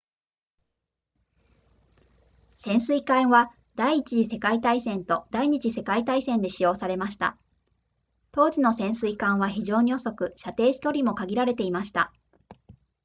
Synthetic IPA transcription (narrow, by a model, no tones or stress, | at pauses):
sẽ̞ɰ̃sɨikãɰ̃βa | d̪̥aiːt͡ɕiʑise̞kait̪aisẽ̞nt̪o̞d̪aiɲ̟it͡ɕise̞kait̪aisẽ̞nd̪e̞ɕijo̞ːsaɾe̞maɕi̥t̪a̰ | t̪o̞ːd͡ʑino̞sẽ̞ɰ̃sɨikãɰ̃βaçiʑo̞ːɲ̟io̞so̞kɯ̟ɕat̪e̞ːɕi̥kʲo̞ɾʲimo̞kaɡʲiɾaɾe̞t̪e̞imaɕi̥t̪a̰